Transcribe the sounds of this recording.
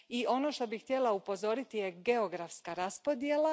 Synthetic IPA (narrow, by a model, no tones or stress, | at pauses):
iʔo̞no̞ʃt̪o̞bixht̪ʲjelˠaupo̞zo̞ɾit̪ije̞ɡe̞oɡɾafskaɾaspo̞d̪jelˠa